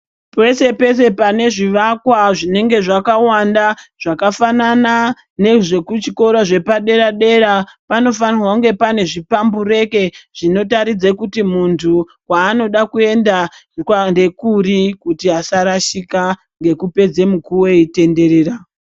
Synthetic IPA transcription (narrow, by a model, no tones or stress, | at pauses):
pe̞se̞pe̞se̞pane̞ʐiʋakwaʐine̞ŋɡe̞ʐakawandaʐ̥akafanana | ne̞ʐe̞kut͡ʃiko̞ɾoʐe̞paɗe̞ɾaɗe̞ɾapano̞fanirwauŋɡe̞pane̞ʐipambure̞ke̞ʐ̥ino̞taɾid͡zekutimuntʰu | waːno̞ɗakue̞ndakande̞kurikutiasaɾaʃika | ŋɡe̞kupe̞d͡ze̞mukuwe̞ite̞nde̞ɾe̞ːɾa